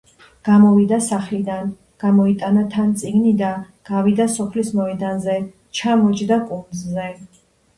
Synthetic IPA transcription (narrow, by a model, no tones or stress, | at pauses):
ɡ̥amɔvid̪asaχlid̪an | ɡ̥amɔit̪ʼanat̪ʰant̪sʼiɡnid̪a | ɡ̥avid̪asɔpʰlismɔid̪anzɛ | t͡ʃʰamɔt͡ʃʼd̪akʼunzzɛ